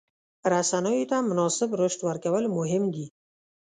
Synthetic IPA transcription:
ɾasanɔjit̪ʰamʊnɒsɪbɾoʃt̪waɾkʲawɪlmʊɦɪmd̪i

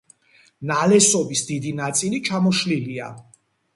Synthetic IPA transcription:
nalɛsɔbisd̪id̪inat̪sʼilit͡ʃʰamɔʃlilia̰

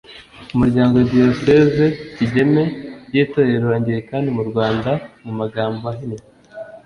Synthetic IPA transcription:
umuɾɟaːŋɡo̞ɟiosezeciɟe̞me̞jitoːjeɾuɾaːɲɟiɾekaːndimuɾɡwaːndamumaɡaːmboaɦine

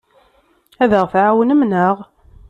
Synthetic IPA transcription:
æðəʁfʕawənəmnəʁ

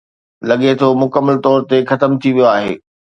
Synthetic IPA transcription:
lɐɠet̪ʰomʊkəmːəlt̪ɔːɾt̪exɐt̪əmt̪ʰiʋijoaːɦḛː

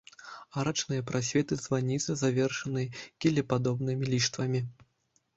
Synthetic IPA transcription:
aɾat͡ʂnɨjɐpɾasʲvʲɛt̪ɨzvanʲit̪sɨzavʲɛrʂɐnɨjkʲɛlʲɛpad̪ɔbnɨmʲilʲiʂt̪vɐmʲi

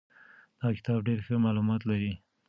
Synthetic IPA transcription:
d̪̥ɑkɪ̥t̪ɑbɖeɾxəmɑlumɑt̪laɾi

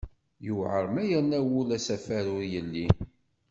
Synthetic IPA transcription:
juʕəɾˤmæjænːæwʊlæsæfæɾʊɾjəlːi

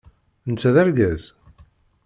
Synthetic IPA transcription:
nt͡sːæðæɾɡæz

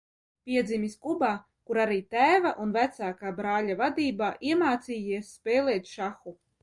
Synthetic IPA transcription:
pʲiɛd̪zimʲiskubaː | kuɾaɾiːt̪æːvaʔunvæt̪saːkaːbɾaːlʲavad̪iːbaːʔiɛmaːt̪siːiɛsːpeːlˠeːt̪ʃaxu

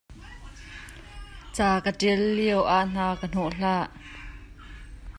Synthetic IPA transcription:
t͡saːkətilːiəwʔaʔn̥aːkən̥ɔʔɬaːʔ

